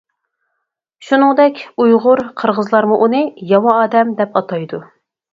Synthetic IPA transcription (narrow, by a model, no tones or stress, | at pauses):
ʃunɨŋd̪ɛkʲujʁʊɾqʰəɾʁəzlˠɑɾmuʔunɨjɑmɑɑːd̪ɛmd̪ɛpɑt̪ʰɑjd̪u